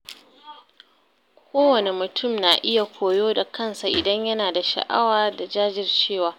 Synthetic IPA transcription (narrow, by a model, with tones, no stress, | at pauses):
kʷʰoː˦wɐ˨ne˨mʊ˨tʰʊ˦˨mnaː˨ʔɪ˦ja˨kʷʰoː˨joː˦da˨kʰɐ˦nsa˨ʔɪ˨dɐ˦ɲjɐ˦naː˨da˨ʃɐ̰˨ʔa̰˦waː˨da˨d͡ʒaː˦d͡ʒɪ˨rt͡ʃeː˦˨waː˨